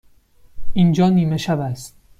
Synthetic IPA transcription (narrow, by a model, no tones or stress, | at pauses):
ʔind͡ʒɒːniːmeʃævæst̪